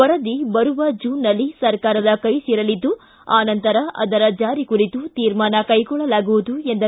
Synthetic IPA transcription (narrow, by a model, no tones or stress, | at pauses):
ɔɾɐd̪ibɐɾuʋɐd͡ʒuːnːɐlːisɐɾkaːɾɐd̪ɐkɐjsiːɾɐlid̪ːu | aːnɐnt̪ɐɾɐʔɐ̰d̪ɐɾɐd͡ʒaːɾikuɾit̪ut̪iːɾmaːnɐkɐjɡɔɭːɐlaːɡuʋud̪ue̞nd̪ɐ